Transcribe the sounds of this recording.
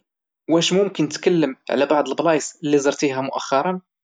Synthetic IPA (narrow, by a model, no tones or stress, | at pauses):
wæʃmʊmkənːt̪kælːəmʕ̰læbɑʕd̪ˤəlblɑjsəlːizəɾˤt̪iɦæmʊʔæ̰xːɑɾˤɑn